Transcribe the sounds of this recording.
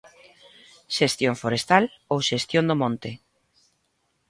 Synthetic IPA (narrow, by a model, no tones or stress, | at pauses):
ʃest̪joɱfoɾest̪alowʃest̪jond̪omɔ̃nt̪ɪ